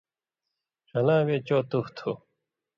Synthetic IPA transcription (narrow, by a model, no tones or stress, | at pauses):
ʂɐlãːweːt͡ɕoːt̪uht̪ʰu